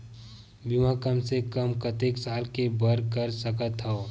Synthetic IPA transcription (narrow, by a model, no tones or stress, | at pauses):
bimãkəmsekəmkət̪eːksaːlkebəɾkəɾsəkət̪ɦo